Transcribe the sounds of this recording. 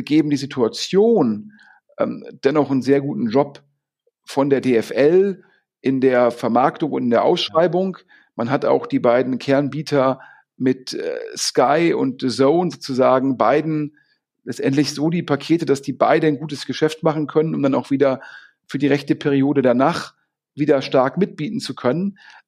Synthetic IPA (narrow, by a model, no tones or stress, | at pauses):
ɡ̥eːbm̩diːzitʰuat͡sjoːn | ʔɛ̰ːmd̥ɛnɔχən̩zeːɐɡuːtn̩d͡ʒɔp | fɔndeːɐdeːɛfʔɛl | ʔɪndeːɐfɛɐmaɐktʊŋʊntɪndeːɐʔa̰ʊsʃʁ̥aɪbʊŋ | manɦata̰ʊxd̥iːbaɪdn̩kʰɛɐnbiːtʰɐ | mɪtɛ̰ːskaɪʊ̰nt̚d̥əzoʊnzoːt͡suzaːɡŋ̩baɪdn̩ | lɛt͡stʔɛntlɪçz̥oːdiːpʰakʰeːtəd̥asd̥iːba̰ɪdənɡuːtəsɡ̥əʃɛftmaχn̩kʰœnənʊmdanaʊxv̥iːdɐ | fyːɐdiːʁɛçtəpʰɛʁ̞ioːdədanaːχ | viːdɐʃtaɐkmɪt̚b̥iːtn̩t͡sukʰœnən